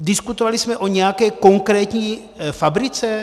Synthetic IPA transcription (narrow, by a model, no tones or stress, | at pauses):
dɪskut̪ovalismɛʔo̞ɲɛjakɛːko̞ŋkɾɛːt̪ɲiː | fabɾɪt͡sɛ